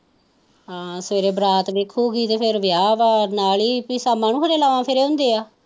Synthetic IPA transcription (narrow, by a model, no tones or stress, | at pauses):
ɦãːsəʋeːɾeːbɾaːt̪ʋeːkʰuːɡiːt̪eːpʰɪɾʋɪjaːʋaːnaːliːpiːsaːmãːnũːkʰəɾeːlaːʋãːpʰɪɾeːʊ̃nd̪eːaː